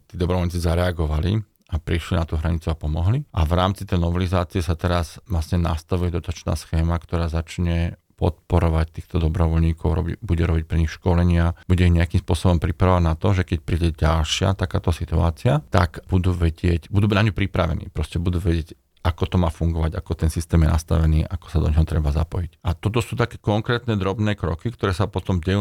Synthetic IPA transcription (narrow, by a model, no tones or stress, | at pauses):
t̪iːd̪ɔbɾɔʋɔlɲiːt͡sizaɾɛaɡɔʋalḭ | apɾiʃlinat̪uːɦɾaɲit͡suapɔmɔɦliʔaʋɾaːmt͡si̥t̪ɛjnɔʋɛlizaːt͡siɛsat̪ɛɾazʋlasɲɛna̰st̪aʋujɛd̪ɔt̪at͡ʃna̰ːsxɛːmakt̪ɔɾaːzat͡ʃɲɛ | pɔ̰t̪̚pɔɾɔʋac̚t̪iːxt̪ɔd̪ɔbɾɔʋɔlɲiːkʰɔʊɾɔ̰bibuɟɛɾɔbic̚pɾɛɲixʃkɔlɛɲɪab̥uɟɛiɲɛakimspʊɔsɔbɔmpɾipɾaɔʋaɟnat̪ɔʒɛkɛc̚pɾiːɟɛɟalʃɪa̰t̪akaːt̪ɔsit̪ua̰ːt͡siat̪akb̥ud̪uːʋɛɟɪɛcbud̪uːnaɲupɾipɾaʋɛ̰nḭːpɾɔscɛbud̪uːʋɛɟɪɛc | ʔakɔt̪ɔmaːfuŋɡɔʋaɟakɔt̪ɛnsist̪ɛːmjɛnast̪a̰ʋɛniːʔakɔ̥sad̪ɔ̰ɲɦɔt̪ɾɛbazapɔjicʔat̪ɔt̪ɔsuːt̪akɛːkɔŋkɾɛːt̪nɛːd̪ɾɔbnɛːkɾɔ̰kikt̪ɔɾɛːsapɔt̪ɔmɟɛjuː